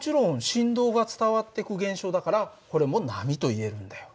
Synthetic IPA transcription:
mot͡ɕiɾõ̞ɰ̃ɕĩnd̪o̞ːɡat͡sɨ̥t̪aβat̪ːe̞kɯ̟ɡẽ̞ɰ̃ɕo̞ːd̪akaɾa | ko̞ɾe̞mo̞namʲit̪o̞ie̞ɾɯ̟̃nd̪ajo

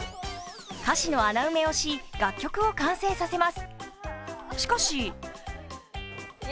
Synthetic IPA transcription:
kaɕino̞anaɯ̟me̞o̞ɕiɡ̥akʲːo̞kɯ̟o̞kãɰ̃se̞ːsase̞masɨ̥ | ɕi̥koɕi

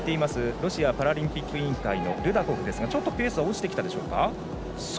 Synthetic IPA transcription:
t̪e̞imasɨɾo̞ɕiapaɾaɾʲĩmpʲikːɯĩŋkaino̞̰ɾɯ̟d̪akoɡɯ̟d̪e̞sɨɡat͡ɕo̞t̪ːo̞pʲe̞ːsɨaot͡ɕi̥t̪ekʲi̥t̪ad̪e̞ɕo̞ːka̰ | s

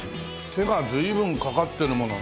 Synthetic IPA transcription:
tʰeɡad͡ʑɯibɯnkakat̚t͈enɯmʌna̰

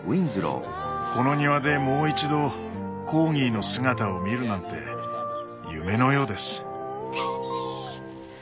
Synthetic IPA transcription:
wĩnzɨɾo̰ː | ko̞no̞ɲ̟iβad̪e̞mo̞ːit͡ɕid̪o̞ | ko̞ːŋʲiːno̞sɨɡat̪aomʲiɾɯ̟nãnt̪e̞̰ | jɯ̟me̞no̞jo̞ːd̪e̞sɨ̥

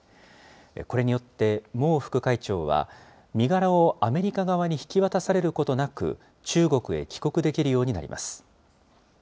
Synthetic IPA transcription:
ko̞ɾe̞ɲ̟ijo̞t̪ːe̞mo̞ːɸɯ̥kɯ̟kait͡ɕo̞ːβa̰ | mʲiɡaɾao̞ame̞ɾʲikaɡaβaɲ̟içi̥kʲiβat̪asaɾe̞ɾɯ̟ko̞t̪o̞nakɯ̟̰ | t͡ɕɨːɡo̞kɯ̟e̞̰kʲi̥ko̞kɯ̟d̪e̞kʲiɾɯjo̞ːɲ̟ina̰ɾḭmʔa̰sɨ̥

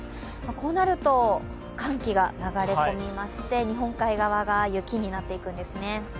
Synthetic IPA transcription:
mako̞ːnaɾɯ̟t̪o̞ | kʰãŋkʲiɡanaɡaɾe̞ko̞mʲimaɕi̥t̪e̞ɲ̟iɦõ̞ŋkaiɡaβaɡajɯ̟kʲiɲ̟inat̪ːe̞ikɯ̟̃nd̪e̞sɨne̞

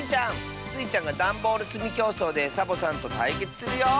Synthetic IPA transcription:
t͡ɕãŋ | sɨit͡ɕãŋɡad̪ãmbo̞ːɾɯ̟t͡sɨmʲikʲo̞ːso̞ːd̪e̞sabo̞sãnt̪o̞t̪aike̞t͡sɨ̥sɨɾɯjoː

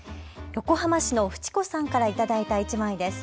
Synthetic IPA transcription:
jo̞ko̞ɦamaɕino̞ɸɯ̟̥t͡ɕi̥ko̞sãŋkaɾait̪ad̪ait̪ait͡ɕimaid̪e̞sɨ̥

